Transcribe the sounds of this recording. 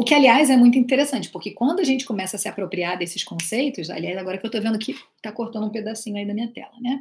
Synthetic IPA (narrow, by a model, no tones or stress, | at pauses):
ʊkɪaliajzɛmũj̃t̪ʊĩt̪eɾesɐ̃nt͡ʃɪ̥pʊɾkɪkwɐ̃nd̪ʊɐʒẽnt͡ʃɪ̥komɛsɐːsɪapɾopɾiad̪esɪʃkõsejt̪ʊsa̰liajzaɡɔɾɐkɪewt̪ovẽnd̪ʊkʰɪ | t̪akoɾt̪ɐ̃nd̪ũped̪asĩɲʊaid̪ɐmĩɲɐt̪ɛ̰lɐnɛ